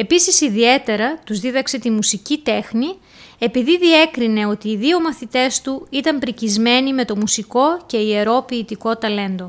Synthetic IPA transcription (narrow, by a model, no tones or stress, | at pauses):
e̞pisisiðie̞t̪e̞ɾɐt̪uzðiðɐkse̞t̪imusicit̪e̞xni | e̞piðiðie̞kɾine̞o̞t̪iːðio̞mɐθit̪e̞st̪uit̪ɐmpɾicizme̞nime̞t̪o̞musiko̞ce̞ie̞ɾo̞piːt̪iko̞t̪ɐle̞nd̪o̞